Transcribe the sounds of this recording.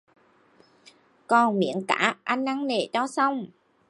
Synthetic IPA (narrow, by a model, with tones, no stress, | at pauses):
kɔ˨˩nmḭ˧˥ənka̰ː˧˥ʔa˧jŋ̟na˧ŋne˨˩t͡ɕɔ˧sa˧wŋ͡m